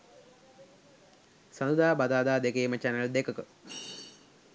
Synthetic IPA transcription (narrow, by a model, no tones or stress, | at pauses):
sɐnd̪ud̪aːbɐd̪aːd̪aːd̪ekeːmɐt͡ʃanɐld̪ekɐkɨ